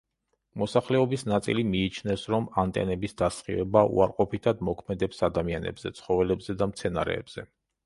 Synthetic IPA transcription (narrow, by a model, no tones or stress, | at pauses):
mɔsaχlɛɔbisnat̪sʼḭlimiːt͡ʃʰnɛsɾɔmant̪ʼɛ̰nɛbisd̪asχḭvɛbaṵaɾqʼɔpʰit̪ʰad̪mɔkʰmɛd̪ɛpsad̪amianɛ̰bzɛ̰t̪sʰχɔvɛlɛbzɛd̪amt̪sʰɛnaɾɛ̰ːbz̥ɛ